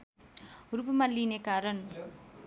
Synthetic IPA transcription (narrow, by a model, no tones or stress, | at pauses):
ʊɾupɯmɐlːinekaːɾɐn